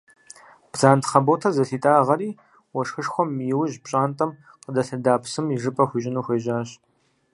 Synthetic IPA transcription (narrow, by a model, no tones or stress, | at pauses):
b̥zaːntχɐboːtʰɐzɐɬiːtʼaːʁɐɾiː | wɔʂxɨʂxʷɔmːijɪwʒbɕʼaːntʼɐm | qədɐɬɐdaːpsɨmɪʒɨpʼɐxʷʊʑɪnuːxʷeːʑaːɕ